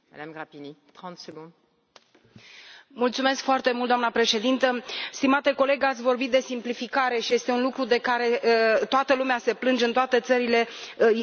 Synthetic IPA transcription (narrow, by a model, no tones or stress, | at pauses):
mad̪amɡʁapinit̪χɑ̃t̪səɡɔ̃d̪ | mult̪sume̞skfoart̪e̞mult̪d̪oamnəpɾe̞ʃe̞d̪int̪əst̪imat̪e̞ko̞le̞ɡat̪sʲvo̞rbit̪̚d̪e̞simplifikaɾe̞ʃije̞st̪eunlukɾud̪e̞kaɾe̞t̪oat̪əlumease̞plɨnd͡ʒɨnt̪oat̪e̞t̪səɾile̞